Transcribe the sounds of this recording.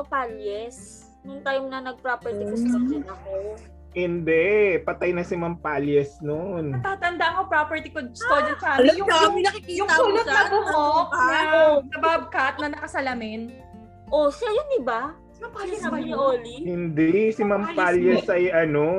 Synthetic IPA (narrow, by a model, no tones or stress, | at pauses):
opaljɛs | nʊŋt̪ajmnɐnɐɡ̚pɾopɛɹt̪ikosɐd͡ʒɐnɐko | hɪnd̪ɛpɐt̪ajnɐsɪmɐmpaljɛsnont̪aːt̪ɐnd̪aɐŋopɾopɛɹt̪ɪkostod͡ʒɐkaːɐjʊmɪnɐkikijʊŋsulotsɐbʊhoʔaosɐbab̚kɐt̪̚nɐnɐkɐsɐlɐmɪn | ʔosɐjondɪba | ɐamɐɲɪʔoːlihɪnd̪ɛsɪmɐmpaljɛsɐjʔɐno